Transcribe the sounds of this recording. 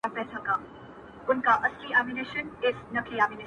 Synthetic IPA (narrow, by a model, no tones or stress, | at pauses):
apɛːsakam | ʊnkaʔɐsliaːmineːʃənɪsnɐkliaːminɪ